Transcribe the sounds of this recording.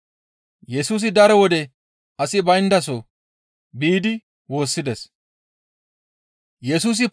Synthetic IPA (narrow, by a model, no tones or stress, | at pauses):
jɛsuːs̬ɪd̪ɐɾɔwɔd̪ɛ | ɐsɪbɐjɪnd̪ɐs̬o | biːd̪ɪ | wo̞ːsːɪd̪ɛs | jɛsuːs̬ɪp